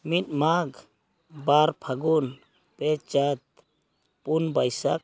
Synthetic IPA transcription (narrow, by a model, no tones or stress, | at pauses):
mit̪̚maɡ | baɾpʰaɡun | pɛt͡ʃat̪̚ | punbajsak̚